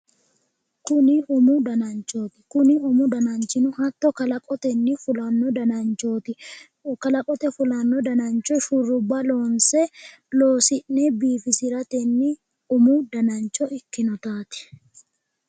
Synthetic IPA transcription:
kʊnɪʊmʊd̪ɐnɐnt͡ʃo̞ːt̪ɪ̥kʊnɪʊmʊd̪ɐnɐnt͡ʃɪnʊhɐt̪ːɔkɐlɐkʼɔt̪ɛnːɪfʊlɐnːɔd̪ɐnɐnt͡ʃoːt̪ɪ | kɐlɐkʼɔt̪ɛfʊlɐnːɔd̪ɐnɐnt͡ʃɔʃurʊbːɐlo̞ːnsɛ | loːsɪʔːɛbiːfɪsɪɾɐt̪ɛnːɪ | ʊmud̪ɐnɐnt͡ʃɔɪkːɪnɔt̪aːt̪ɪ̥

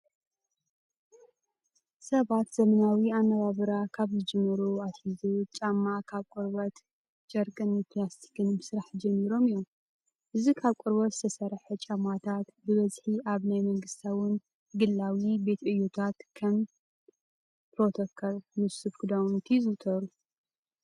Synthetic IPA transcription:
sɐβat̪zɐmɐnawianːɐβaβɨɾakʰaβzɨd͡ʒɨmːɐɾuat̪hizut͡ʃʼamːakʰaβkʷʼʊɾbɐt̪ | t͡ʃʼɐɾkʼɨnɨpʰlast̪ʰi̥kʰɨnmɨsɨɾaħd͡ʒɐmːiɾo̞mijom | ʔɨzikʰaβkʷʼʊɾβɐt̪zɨ̥t̪ʰɐsɐɾħɛt͡ʃʼamːat̪ʰat̪bɨβɐzħiʔaβnajmɐŋɡɨst̪ʰawʊn | ɡɨlːawibe̞t̪ʔɨjːut̪ʰat̪kʰɐm | pɾot̪ʰokʰolmɨsufkɨd̪awnt̪ʰizɨt̪ʰɐɾu

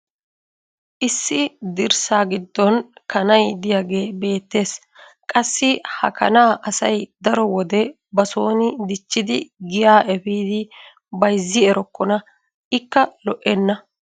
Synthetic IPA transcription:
ʔɪsːɪd̪ɪɾsaːɡɪd̪ːɔnkɐnɐjd̪ɪjaɡe̞ːbe̞ːt̪ːe̞ːs | kʼɐsːɪhɐ̰kɐnaːʔɐsɐjd̪ɐɾɔwɔd̪ɛ | bɐso̞ːnɪd̪ɪt͡ʃːɪd̪ɪɡɪjaːʔɛfiːd̪ɪ | bɐjzːɪɛɾɔkːɔnɐ | ɪkːɐlɔʔɛnːɐ

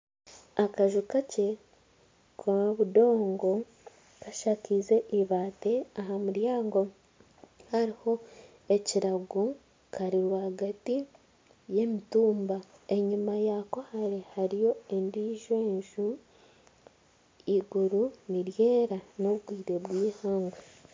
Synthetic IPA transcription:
akaʒukace̞ | kwaβudo̞ːŋɡo̞ | kaʃakize̞ʔiβaːte̞aɦamuɾjaːŋɡo̞ | haɾiho̞ | e̞ciɾaɡu | kʰaɾiɾwaɡati | je̞mituːmbae̞ɲumajako̞haɾe̞haɾijo̞e̞ndiːʒoeɲʒu | iɡuɾuniɾje̞ːɾanoβɡwiːɾe̞βwiːhaːŋɡu

